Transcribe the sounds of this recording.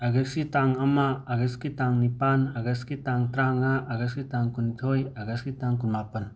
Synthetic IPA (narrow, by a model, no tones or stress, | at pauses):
aɡekskitaŋamaːɡeskitaŋnipanaɡeskitaŋtɾaŋaʔːɡeskitaŋkunitʰojaɡaskitaŋkunmapɐn